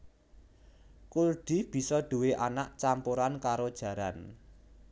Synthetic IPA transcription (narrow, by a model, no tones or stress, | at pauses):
kurɖ̥i̤b̥i̤sɔɖ̪̥ṳweʔanaʔt͡ʃampuɾankaɾod̥ʒ̥ä̤ɾan